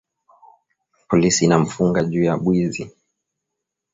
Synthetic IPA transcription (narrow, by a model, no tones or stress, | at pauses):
pɔlisiːnam̩fuŋɡaʄuːjaɓwizi